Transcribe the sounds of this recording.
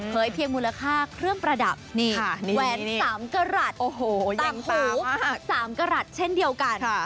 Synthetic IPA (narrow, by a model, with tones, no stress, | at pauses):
pʰɤː˩˦jpʰi˧əŋmuː˧la˧kʰaː˥˩kʰɾɯ˥˩əŋpɾa˧da˨˩p̚niː˥˩kʰa˥˩ni˦˧wɛː˩˦nsaː˩˦mka˧ɾa˨˩t̪̚ʔoː˨˧˩hoː˨˩j̪a˨˩ŋkʰuː˨˩˦saː˩˦mka˧ɾa˨˩t̪̚t͡ɕʰe˥˩ndi˧əwka˧nʰa˥˩